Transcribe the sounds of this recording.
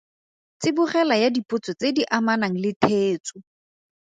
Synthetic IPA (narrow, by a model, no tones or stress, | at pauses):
t͡sɪbʊχɛlajadipʊt͡sɔt͡sediʔamanaŋ̩lɪtʰeːt͡sʊ